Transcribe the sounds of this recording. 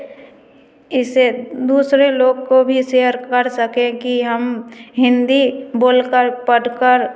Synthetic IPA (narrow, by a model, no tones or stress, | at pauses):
ɪsed̪uːsɾeloːɡkobʱiseɦəɾkəɾsəkẽkiɦəmɦɪ̃nd̪iboːlkəɾpəɽkəɾ